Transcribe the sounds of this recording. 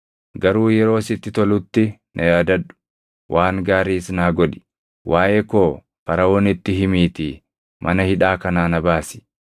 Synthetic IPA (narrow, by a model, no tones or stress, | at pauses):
ɡɐɾuːjɛɾo̞ːsɪt̪ːɪt̪ɔlʊt̪ːɪ | nʔɐjaːd̪ɐᶑʊ̥ | wʔaːŋɡaːɾiːsnaːɡɔᶑɪ̥ | wʔaːʔekoː | fɐɾɐoːnɪt̪ːɪɦɪmiːt̪ɪ | mʔɐnɐhɪᶑaːkɐnaːnɐbaːsɪ̥